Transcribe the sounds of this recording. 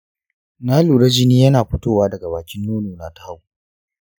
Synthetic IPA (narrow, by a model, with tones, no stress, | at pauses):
naː˦luː˨ɽɐ˦d͡ʒɪ˦niː˦jɐ˦naː˨ɸʊ˦toː˦˨waː˦dɐ˨ɡa˨baː˨kʲɪ˦nːoː˦noː˨naː˨ta˦ha˦w